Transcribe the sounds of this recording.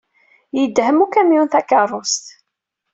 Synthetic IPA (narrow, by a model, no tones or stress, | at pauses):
jəd̪ːhəmukæmjunθækərˤːʊst̪